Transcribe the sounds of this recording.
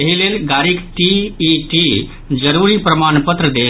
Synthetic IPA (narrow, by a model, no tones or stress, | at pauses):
ɐɦileːlɡaːɾikʈiːʈi | d͡ʒəɾuɾipɾɐmaːnpət̪ɾəd̪eː